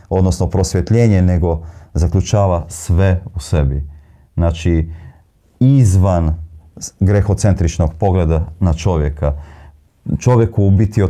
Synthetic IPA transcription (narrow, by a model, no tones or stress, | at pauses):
o̞d̪nosnopɾo̞sʋʲjet̪ʎeːɲeneɡo̞zakʎut͡ʃaːʋasʋeusebi | naːt͡ʃi | izʋan | ɡɾexo̞t̪se̞nt̪ɾit͡ʃnoɡpo̞ɡled̪anat͡ʃo̞ʋjeka | t͡ʃo̞ʋjekubit̪io